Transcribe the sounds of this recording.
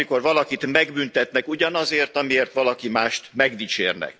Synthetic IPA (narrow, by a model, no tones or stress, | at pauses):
iko̞rʋɒlɒkit̪mɛɡbynt̪ɛt̪nɛkuɟɒnɒzeːrt̪ɒmieːrt̪ʋɒlɒkimaːʃt̪mɛɡd̪it͡ʃḛːrnɛ̰k